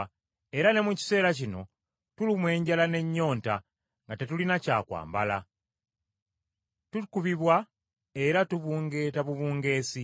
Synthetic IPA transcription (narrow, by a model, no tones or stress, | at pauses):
e̞ɾane̞muci̥se̞ːlacino̞̰ | tulimwe̞ːɲɟalane̞ɲːo̞ːnta | ŋɡatetulinaca̰ːkwa̰ːmbala̰ | tukuβiβwa | e̞ɾatuβuːŋɡe̞taβuβuːŋɡe̞ːsi